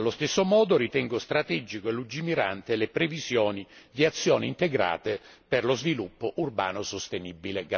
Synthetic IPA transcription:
alːost̪esːomɔːd̪ʊɾit̪ɛŋɡost̪ɾat̪ɛd͡ʒikoelud͡ʒimiɾa̰nt̪elepɾevizjɔːnid̪iat̪sːjɔːniːnt̪eɡɾa̰ːt̪ɪ | perlozvilupːʊʔurba̰ːnʊsost̪enibːileɡ

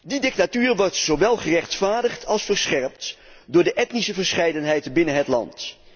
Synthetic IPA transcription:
didɪk̚tatyːrʋɔɹtsoʋɛlˠχərɛχtfaːɹdəχtʰɑlˠsfəɹsχɛɹp̚t | dʊːɹdəʔɛtnisəvəɹsχɛjdənɦɛjtəbɪnənɦətlɑ̰nt

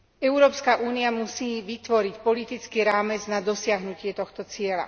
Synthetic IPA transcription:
ɛʊɾɔːpskaʔuːniamusiːʋit̪ʋɔɾicpɔlit̪it͡skiːɾaːmɛd͡znad̪ɔsɪaɦnucɪɛt̪ɔxt̪ɔt͡sɪɛla̰

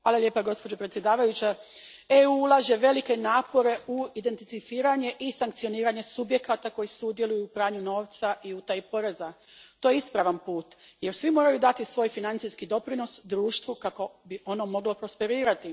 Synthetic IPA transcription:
ʋaːlalje̞ːpaɡo̞spo̞d͡ʑo̞pɾet̪sje̞d̪aːʋajut͡ɕa | euulˠaʒe̞ʋe̞like̞naːpo̞ɾe̞uid̪e̞nt̪isifiːɾaɲe̞ʔisaŋkt̪sio̞niːɾaɲe̞subje̞kat̪ako̞jisud̪je̞lujuːpɾaːɲuno̞ːʋt̪saʔiut̪ajpo̞ɾeza | t̪ojeispɾaːʋanpuːt̪je̞ɾsʋimo̞ːɾajud̪at̪isʋo̞ːjfinant̪siskid̪o̞pɾino̞sd̪ɾuːʃt̪ʋukako̞biʔo̞nomo̞ɡlo̞pɾo̞spe̞ɾiːɾat̪i

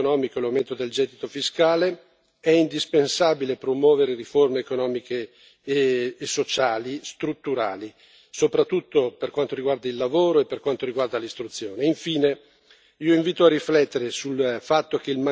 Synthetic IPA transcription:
nɔːmikolawment̪od̪eld͡ʒɛd̪it̪ofiskaːle | ɛind̪ispensaːbilepɾomwɔːveɾeriformeːkonɔːmike | sːot͡ʃaːlist̪ɾut̪ːuɾaːli | sopɾat̪ːut̪ːoperkwant̪oɾiɡward̪ailːavoːɾoepːerkwant̪oɾiɡward̪alist̪ɾut̪sːjoːneiɱfiːne | iːoiɱviːt̪oarːiflɛt̪ːeɾesulfat̪ːok̟eilma

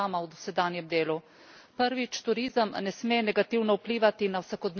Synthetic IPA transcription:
aːmawd̪ɔsɛd̪aːnjɛmd̪eːlu | pəɾʋit͡ʃt̪uɾiːzəmnɛsmeːnɛɡat̪iːwnɔupliːʋat̪inawsakɔd̪n

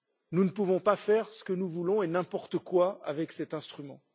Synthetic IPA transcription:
nunəpuvɔ̃pafɛʁsə̥kənuvulɔ̃enɛ̃pɔʁt̪əkwaa̰vɛksɛt̪ɛ̃st̪χymɑ̃

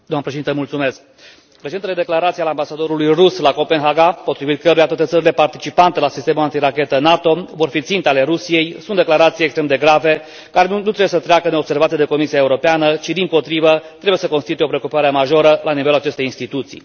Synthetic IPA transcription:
d̪oamnəpɾeʃed̪int̪əmult̪sume̞sk̚ | ɾet͡ʃeneled̪e̞klaɾat̪sialambasad̪o̞ɾulujruslako̞pe̞nɦaɡapo̞t̪ɾivit̪̚kəɾujat̪wat̪e̞t̪səɾile̞part̪it͡ʃipant̪e̞lasist̪e̞mulant̪iɾakʲe̞t̪ənat̪o̞vo̞rfit̪sint̪eale̞ɾusije̞jsunt̪d̪e̞klaɾat̪sijekst̪ɾemd̪e̞ɡɾave̞ | kaɾe̞nut̪ɾewjesət̪ɾeakəno̞bse̞rvat̪ijed̪e̞ko̞misiaeuɾo̞peanət͡ʃid̪impo̞t̪ɾivət̪ɾe̞bujesəko̞nst̪it̪ujeopɾeokupaɾeemaʒo̞ɾəlaniveluat͡ʃe̞st̪ejinst̪it̪ut̪sḭj

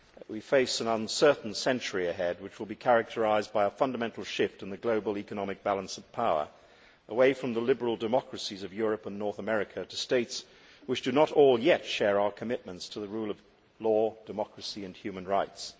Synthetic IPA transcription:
wifeɪsɨ̃nʌ̃nsɜ˞ʔn̩sɛ̃nt͡ʃə˞iɨɦɛd̚wɨt͡ʃwəlˠbikʰæɹɨk̚tʰə˞aɪzbaɪəfʌ̃ndəmɛ̃ntˡl̩ˠʃɪftɨ̃nðɨɡloʊbl̩ˠikɨnɑmɨk̚b̥ælˠə̃nsʌv̥pʰaʊə̰˞ | ʔəweɪfɹʌ̃mðəlɪbə˞l̩ˠdɨmɑkɹɨsizʌvjʊɹɨpə̃nːɔɹθəmɛɹɨkʰɨɾɨsteɪts | wɨt͡ʃd̥ɨnəɾɔlˠjɛtʃɛɹaʊə˞kʰɨmɪt̚mə̃ntstʰɨðɨɹulˠʌv | lɔd̥ɨmɑkɹɨsiɨ̃nhjʉmɨ̃nɹaɪts

